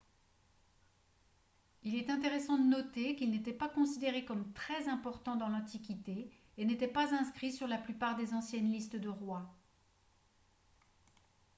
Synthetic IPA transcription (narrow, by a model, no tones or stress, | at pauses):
ilɛt̪ɛ̃t̪eʁesɑ̃d̪ənɔt̪ekilnet̪ɛpakɔ̃sid̪eʁekɔmt̪χɛzɛ̃pɔʁt̪ɑ̃d̪ɑ̃lɑ̃t̪ikʲit̪e | enet̪ɛpazɛ̃skχisyʁlaplypaʁd̪ezɑ̃sjɛnlist̪əd̪əʁwa